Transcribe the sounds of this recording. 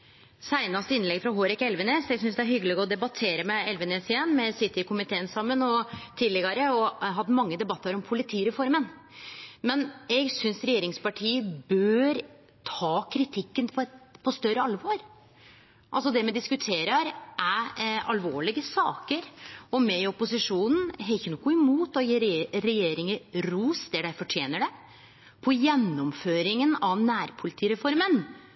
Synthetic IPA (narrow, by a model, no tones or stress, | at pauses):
sæɪnɑst̪əɪnlɛɡfɾɑɦoːɾɪkɛlʋənesɛɡsʏnsd̪ɛæɾhʏɡəlɪɡɔd̪ɛbɑt̪ʰeːɾəmɛɛlʋənesɪɛnːmɛsɪt̪ːɪkʊmɪt̪ʰeːənsɑmːənɔt̪ʰiːd̪lɛɡɑɾəɔɦɑd̪ːəmɑŋːəd̪ɛbɑt̪ːəɾɔmpʰʊlɪt̪ʰiːɾɛfɔɾmən | mɛnɛɡsʏnsɾɛjeːɾɪŋspɑʈʰiːəbøːɾ | t̪ʰɑːkʰɾɪt̪ʰɪkːənpʰɔɛt̪pʰɔst̪œɾəɑlʋɑɾ | ʔɑlsɔd̪ɛmɛd̪ɪskʉt̪ʰeːɾəɾʔæɑ̰lʋoːɭɪɡəsɑːkəɾɔmɛɔpʊsɪʂuːnn̩ɦɛçənɔɡoːɪmuːt̪ɔjiːɾɾɛjeːɾɪŋəɾuːsd̪ɛɖæɪfɔʈʰjeːnəɖɛ | pʰɔjɛnːɔmføːɾɪŋənɑʋnæːɾpʰʊlɪt̪ʰiːɾɛfɔɾmən